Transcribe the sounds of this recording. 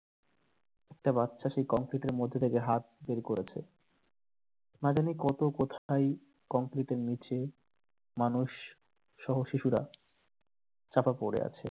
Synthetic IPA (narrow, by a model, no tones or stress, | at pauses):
ɛk̚ʈabat̪ːʃʰaʃejkɔŋkɾiʈeɾmod̪ʱːet̪ʰekeɦat̪̚beɾkoɾet͡ɕʰḛ | nad͡ʑanikɔt̪okot̪ʰaj | kɔŋkɾiʈeɾnit͡ɕe | manuʃː | ɔɦoʃiʃuɾa̰ | t͡ɕapapoɽḛa̰t͡ɕʰe